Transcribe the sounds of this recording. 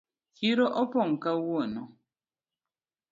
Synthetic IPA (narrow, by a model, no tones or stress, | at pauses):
kiɾɔʔɔpɔŋ̩kawuɔnɔ